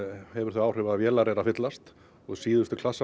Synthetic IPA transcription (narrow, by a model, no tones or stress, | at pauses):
hɛvʏɾ̥θœɥaːwrʏvaðavjɛːlaɾɛɾafɪt̪last̪ | ɔɣsiːðʏst̪ʏkʰl̥asːa